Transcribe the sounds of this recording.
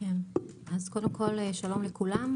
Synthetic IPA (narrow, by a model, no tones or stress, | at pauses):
enʔazkod̪emkʰɔlʃalomlekʰulam